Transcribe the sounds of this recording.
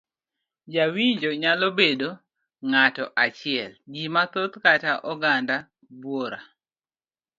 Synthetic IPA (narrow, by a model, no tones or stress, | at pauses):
d͡ʒawiɲd͡ʒoɲalobedo | ŋatɔʔat͡ʃɪɛlɡimat̪ot̪kataʔɔɡanda | bwoɾa